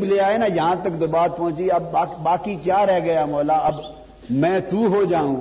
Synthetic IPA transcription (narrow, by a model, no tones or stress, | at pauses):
bleːaːeːnaːjɐɦãt̪əkd̪ʊbaːt̪̚pɔ̃ɦʊ̃t͡ʃiɐbaːbaːkikjaːɾɛɦɡɐjaːmɔːlaːɐb | mɛ̃ːt̪uːɦoːd͡ʒaːũːɡa